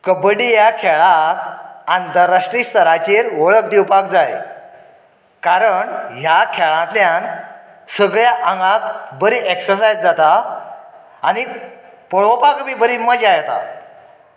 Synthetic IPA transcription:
kəbəɽijakʰɛɭakãnt̪əɾːaʂʈɾist̪əɾat͡ɕeɾʋəɭək̚d̪iwpak̚d͡zaj | kaɾəɳɦjakʰɛɭãt̪ljãn | səɡɭjaʔəŋɡãkbəɾiːʔeksəsajd͡zd͡zat̪aː | ni | pɔɭəpakbibəɾiməd͡ʑajt̪a̰

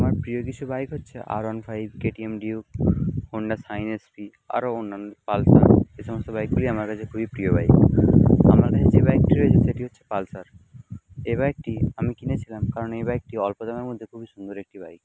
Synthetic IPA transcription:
amaɾpɾijok̬it͡ɕʰubajkɦotːɕʰeʔa̰ɾɔnfʰajb̚keʈiemɖiukhoɳɖasajnespi | a̰ɾoonːanːopalsa̰ɾeʃɔmost̪obajk̚buliamaɾkat͡ɕʰekʰubipɾiobajk | a̰maɾkakʰed͡ʑebajk̚ʈiɾɔed͡ʑʰeeʈiɦotːɕʰe̥palsaɾ | eβajk̚ʈiamikinet͡ɕʰilamkaɾonejbajk̚ʈiɔlpod̪ameɾmod̪ʱːekʰubiʃund̪oɾek̚ʈibajk

